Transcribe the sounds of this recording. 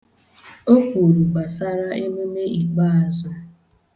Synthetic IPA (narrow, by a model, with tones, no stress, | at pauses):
o˦kʷu˨ɾu˨ɡ͡ba˨sa˦ɾa˦ʔe˦me˦me˦ʔi˨k͡pa˦a˨zɔ˦